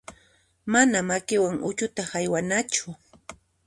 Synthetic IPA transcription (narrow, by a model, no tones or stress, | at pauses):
manamakɪwaŋʊ̰t͡ʃʊt̪ahajwanat͡ʃʊ